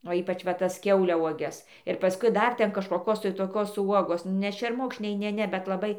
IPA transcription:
oː ˈiːpɐt͡ʃ ʋɐ ˈtɐs ˈkʲɛʊlʲɛʊɔɡʲɛs ɪr pɐˈskʊɪ ˈdɐr ˈtʲɛn kɐʃkoːˈkoːs tɐɪ toːˈkoːs ˈuɔɡoːs nʲɛ ʃʲɛrˈmʊkʃʲnʲɛɪ ˈnʲɛ ˈnʲɛ bʲɛt lˠɐˈbɐɪ

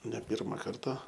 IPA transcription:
nʲɛ ˈpʲɪrmɐ ˈkɐrtɐ

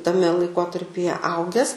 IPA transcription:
tɐˈmʲɛ lˠɐɪˈkoːtɐrʲpʲɪjɛ ˈɐʊɡʲɛs

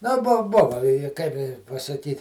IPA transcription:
nʊ ˈbʊ ˈbʊʋɐ ɪ ɪ kɐɪp ɪ pɐsɐˈkʲiːtʲ

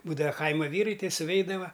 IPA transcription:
ˈbuːdɐʋɐ ˈkɐɪmɐ ˈʋʲiːrɐɪ ˈtʲɛɪ sʊˈʋʲɛɪdɐʋɐ

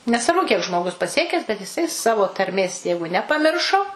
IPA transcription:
nʲɛsʋɐrˈbʊ kʲiɛk ʒmoːˈɡʊs pɐˈsʲiɛkʲɛs bʲɛt jɪˈsɐɪ sɐʋoː tɐrʲˈmʲeːs ˈjɛɪɡʊ nʲɛpɐˈmʲɪrʃoː

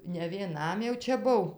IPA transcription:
nʲɛ ʋʲiɛˈnɐm jɛʊ ˈt͡ʃʲɛ ˈbʊw

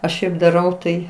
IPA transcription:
ɐʃ ˈʃʲɛɪp dɐˈrɐʊ tɐɪ

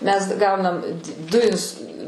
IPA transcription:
mʲɛs ˈɡɐʊnɐm dʊ ɪns

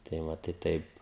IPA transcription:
tɐɪ ˈʋɐ tɐɪ ˈtɐɪp

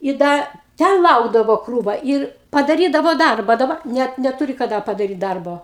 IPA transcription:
ɪ ˈdɐ ˈtʲɛn ˈlˠɐʊɡdɐʋoː ˈkruːʋɐ ˈɪr pɐdɐˈrʲiːdɐʋoː ˈdɐrbɐ dɐˈbɐ ˈnʲɛt nʲɛˈtʊrʲɪ kɐˈdɐ pɐdɐˈrʲiːt ˈdɐrboː

